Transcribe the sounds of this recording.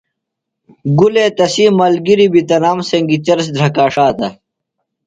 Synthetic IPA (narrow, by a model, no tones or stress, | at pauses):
ɡuleːt̪ɐsiːmɐːlɡiɾibit̪ɐnaːmseŋɡit͡ɕɐɾs̬d̪ʱɾɐkaːʂaːt̪ɐ